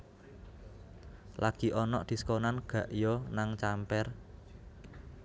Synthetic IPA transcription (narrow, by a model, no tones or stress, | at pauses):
lʔaɡ̥i̤ʔɔnɔʔd̪̥i̤skɔnanɡ̥ä̤ʔjɔnaŋt͡ʃampɛr